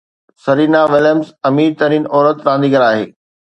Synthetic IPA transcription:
sɐɾiːnaʋɪljəmsɐmiːɾt̪ɐɾiːnɔːɾət̪ɾãːnd̪iːɡɐɾaːɦḛː

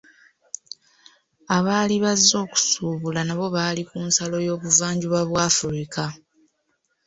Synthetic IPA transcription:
aβaːliβazːo̞ːku̥suːβulanaβo̞βaːlikuːnsalo̞jo̞ːβuvaːɲɟuβaβwaːfuɾika

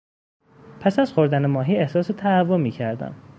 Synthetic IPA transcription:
pʰæsæz̥xoɾd̪ænemɒːɦiːe̞hsɒːset̪ʰæːvːomiːcʰæɾd̪æ̰m

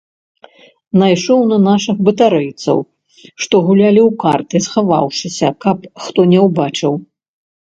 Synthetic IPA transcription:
najʂɔwnɐnaʂɨxbɨt̪aɾɛjt̪sɐ̰w | ʂt̪ɔɣulʲalʲiwkart̪ɨsxava̰wʂɨsʲɐkɐpxt̪ɔnʲɛwbat͡ʂɨw

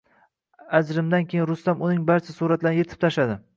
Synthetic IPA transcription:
azɾɪmd̪ankʲʰejɪnɾʊst̪amʊnɪŋbaɾt͡ʃʰasuɾat̪laɾɪje̞t̪ʰɪ̥p̚t̪ʰaʃad̪ɪ

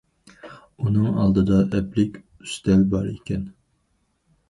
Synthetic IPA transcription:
unɨŋɑ̰lˠd̪ɨd̪ɑʔɛplɪkʲ | y̥st̪ɛlbɑɾekʲɛn

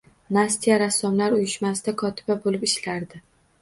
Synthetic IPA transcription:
nast̪ʰijaɾasːɒmlaɾʊjɪʃmasɪd̪akʰɒt̪ʰɪ̥babolɪpɪʃlaɾd̪ɪ

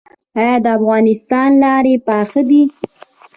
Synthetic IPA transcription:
ɑjɑd̪əafɣɑnɪst̪ɑnlɑɾepɑxəd̪i

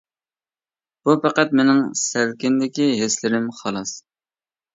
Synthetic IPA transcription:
b̥upʰæqæt̪menɪŋsælkʲɪnd̪ɪkʲiɦeslɪɾɪmχɑlˠɑs

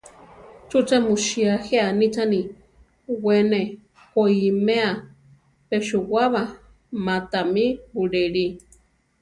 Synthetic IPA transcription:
t͡ʃut͡ʃamuʃiaheanit͡ʃani | wene | hoimea | peʃuwaβa | mat̪amibuɺɛɺi

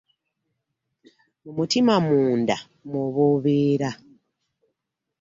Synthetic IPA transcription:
mumutimamuːnda̰ | moβoːβeːɾa

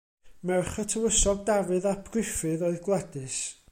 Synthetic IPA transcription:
mɛrχətʰəwəsɔɡ̚davɨðapʰrɪfɨðɔɨðɡlˠɛdɨs

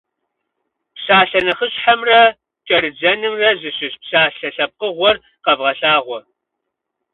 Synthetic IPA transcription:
pɕaːɬɐnɐχəɕħamrɐ | kʼɐɾɨd͡ʒɐnɨmrɐzɨɕɪɕpɕaːɬɐɬɐp̚qəʁʷɔr | qɐvʁɐɬaːʁʷɔ

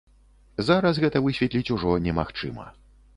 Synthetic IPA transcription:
zaɾɐsɣɛt̪ɐvɨsʲvʲɛt̪lʲit͡sʲuʐɔnʲɛma̰xt͡ʂɨmɐ̰

